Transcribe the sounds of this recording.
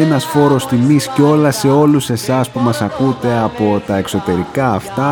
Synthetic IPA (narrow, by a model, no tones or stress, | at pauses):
enɐsfo̞ɾo̞st̪imisceo̞lɐse̞o̞luse̞sɐspumɐsɐkut̪e̞ɐpo̞t̪ɐe̞kso̞t̪e̞ɾikɐːft̪ɐ